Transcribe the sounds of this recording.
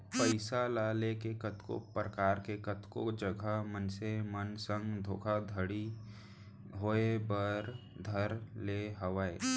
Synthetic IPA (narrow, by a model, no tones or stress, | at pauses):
pəɪsalaːlekekət̪ko̰pɾəkaːɾkekət̪kod͡ʒəɡʱəmənsemənsə̃ŋɡd̪ʱoːkʰad̪ʱəɽi | ɦoːebəɾ | d̪ʱəɾleɦəʋaḛː